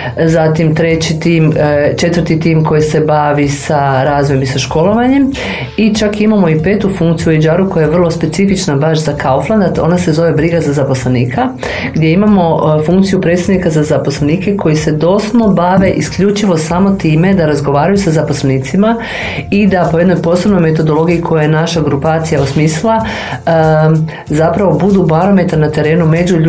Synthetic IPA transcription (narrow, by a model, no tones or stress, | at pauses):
zat̪imt̪ɾe̞t͡ɕit̪iːmt͡ʃe̞t̪ʋər̩t̪it̪iːmko̞jise̞baʋisaɾaːzʋojomisaʃko̞lˠo̞ʋaɲe̞m | it͡ʃakimamo̞ipe̞ːt̪ufuŋkt̪sijujed͡ʒaːɾuko̞jajeʋr̩lˠospe̞t̪sifit͡ʃnabaʃzakaofland̪ao̞̰nase̞zo̞ʋe̞bɾiɡazazapo̞sleniːkʰa | ɡd̪je̞imamo̞fuŋkt̪sijupɾe̞t̪st̪ad̪nikazazapo̞sleniːke̞kʰo̞jise̞d̪o̞sd̪no̞baʋe̞ʔiskʎut͡ʃiʋo̞samo̞t̪iːme̞d̪aɾazɡo̞ʋaːɾajusazapo̞sleniːt̪sima | id̪apoje̞d̪no̞jpo̞slebno̞jme̞t̪o̞d̪o̞lo̞ɡiikʰo̞jajenaʃaɡɾupaːt̪sijaosmislˠa | zapɾaʋo̞bud̪ubaɾo̞me̞t̪aɾnat̪e̞ɾe̞ːnume̞d͡ʒuʎ